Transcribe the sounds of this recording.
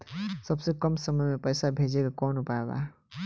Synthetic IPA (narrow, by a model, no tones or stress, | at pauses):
səbsekəmsəməjmepəjsabʱed͡ʒekekɔnopaeba̰